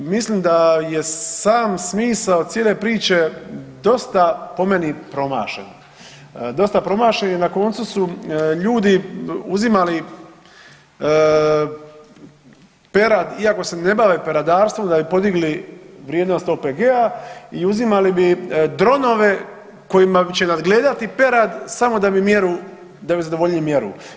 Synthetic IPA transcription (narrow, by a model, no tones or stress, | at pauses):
misliːmd̪aje̞saːmsmiːsaosjele̞pɾiːt͡ʃe̞d̪o̞st̪apo̞menipɾo̞ma̰ːʃḛn | d̪o̞st̪apɾo̞maːʃenenako̞nt̪susuʎuːd̪iuzimali | pe̞ɾad̪iako̞se̞ne̞baːʋepeɾad̪aːɾst̪ʋo̞md̪abipo̞d̪iɡliʋɾjed̪nost̪opeɡeaiuzimalibid̪ɾo̞no̞ʋe̞ | ko̞jimabit͡ɕenad̪ɡle̞ːd̪at̪ipe̞ɾad̪samo̞d̪abimjeɾu | d̪abizad̪o̞ʋo̞ʎɲimje̞ɾṵ